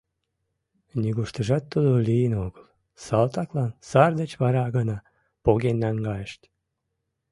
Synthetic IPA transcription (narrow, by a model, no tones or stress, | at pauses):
nʲiɣuʃt̪əʒɑt̪ːud̪olijənoɣəl | sɑlt̪ɑklɑnsɑrd̪ət͡ɕβɑɾɑɣənɑ | poɣenːæŋɡɑjəʃt̪ʲ